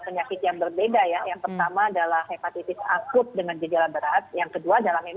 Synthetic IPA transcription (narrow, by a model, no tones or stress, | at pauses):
pəɲakɪt̪jaŋbərbedajajaŋpərt̪amaːdalahepat̪it̪ɪsa̰kʊt̪̚dəŋand͡ʒəd͡ʒalabəɾat̪̚jaŋkəduad͡ʒalahmem